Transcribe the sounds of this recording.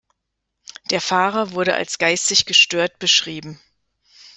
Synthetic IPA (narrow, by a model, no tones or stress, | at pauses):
d̥eːɐfaːʁɐvʊɐɾəʔa̰lsɡ̥aɪstɪçɡ̥əʃtøːɐt̚b̥əʃʁ̥iːbm̩